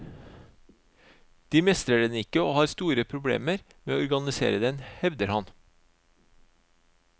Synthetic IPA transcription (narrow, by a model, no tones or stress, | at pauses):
d̪̥iːmɛst̪ɾəɖɛnɪkəoːhɑːɾst̪uːɾəpʰɾʊblḛːməɾ | meːoːɔɾɡɑnɪsḛːɾəd̪ɛnhɛʋd̪əɾhɑn